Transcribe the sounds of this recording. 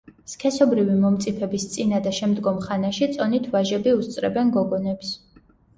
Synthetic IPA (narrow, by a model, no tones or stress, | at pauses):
skʰɛsɔbɾivimɔmt̪sʼipʰɛbist̪sʼinad̪aʃɛmd̪ɡɔmχanaʃit̪sʼɔnit̪ʰvaʒɛbiust̪sʼɾɛ̰bɛnɡɔɡɔnɛps